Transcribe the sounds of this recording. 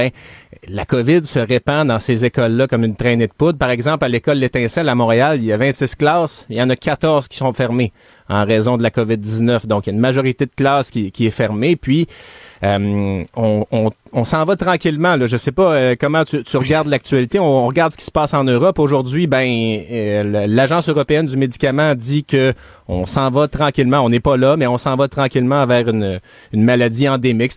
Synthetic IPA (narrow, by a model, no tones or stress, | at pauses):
bɛ̃lakɔvɪd̪səʁepɑ̃d̪ɑ̃sezekɔlːʌkɔmynt̪ʁɛned̪̚pʊt̪̚paʁɛɡzɑ̃plalekɔlːet̪ɛ̃sɛlamɔ̃ːʁealiljavɛ̃t̪sɪsklɑːsjɑ̃nʌkʰat̪ɔʁzkʲi̥sɔ̃fɛʁme | ɑ̰̃ʁɛzɔ̃d̪əlakɔvɪd̪ːiznœfd̪ɔ̃kjaynmaʒɔʁit̪ed̪əklɑːskʲikʲiɛfɛʁmepɥiømɔ̃ɔ̃ɔ̃sɑ̃vʌt̪ʁɑ̃kʲilmɑ̃lʌʒəsepʌøkɔmɑ̃t̪yt̪yʁəɡaʁd̪lak̚t̪yɥalit̪eɔ̃ɔ̃ʁəɡaʁd̪sə̥kʲi̥sə̥pɑːsɑ̃nøʁɔpoʒʊʁd̪zɥibɛ̃ | llaʒɑ̃søʁɔpeɛnd̪ymed̪ikʲamɑ̃d̪ikə | ɔ̰̃sɑ̃vʌt̪ʁɑ̃kʲilmãɔ̃nɛpʌlʌmɛɔ̃sɑ̃vat̪ʁɑ̃kʲilmɑ̃vɛːʁynø | ynmalad͡z̪iɑ̃d̪emɪk